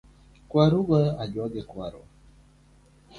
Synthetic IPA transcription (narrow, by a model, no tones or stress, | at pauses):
kwaɾuɡaad͡ʒwaɡɛkwa̰ɾɔ̰